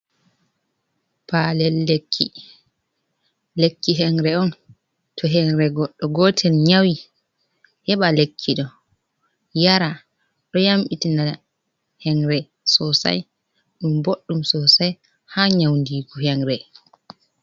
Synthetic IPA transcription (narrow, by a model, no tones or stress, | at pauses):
palɛlːekʰːi | lekːiɦɛŋɾɛɔn | tʰɔɦɛŋɾɛɡɔɗːɔɡɔtʰɛnɲawi | hɛɓalekʰːiɗɔ | jaɾa | ɗɔjamɓitina | hɛŋɾɛ | sɔsa̰j | ɗumboɗːumsɔsaj | haɲawndiːɡuhɛŋɾɛ